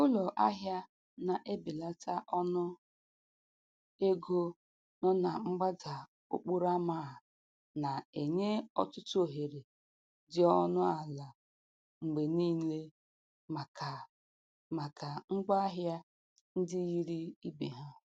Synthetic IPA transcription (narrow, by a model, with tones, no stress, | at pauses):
ʊ˦lɔ˨ʔa˦ɦja˦ | na˨ʔe˦bi˨la˦ta˦ʔɔ˦nʊ˦ | e˦ɡo˦ | nɔ˦na˨ŋ͡m̩˦ɡ͡ba˦da˨ | o̰˨k͡pu˦ɾa˦ma˦a˨ | na˨e˨ɲe˦ɔ̰˦tʊ˦tʊ˦o˨ɦe˨ɾe˨ | dɪ˦ɔ˦nʊ˦a˨la˨ | ŋ͡m̩˨ɡ͡be˨niː˦le˦ | a˨k | ma˨kʰa˨ŋ͡m̩˦ɡ͡ba˦a˦ɦja˦ | n̩˦dɪ˦ɣi˦ɾi˦i˦be˨ɦa˦